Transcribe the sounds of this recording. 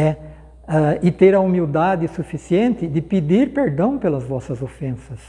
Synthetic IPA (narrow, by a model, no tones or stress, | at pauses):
ɛ | aɪt̪eɾɐumiwd̪ad̪ɪsufisiẽnt̪ɪd̪ɪpid̪iɾpeɾd̪ɐ̃w̃pelɐzvɔsɐzofẽsɐs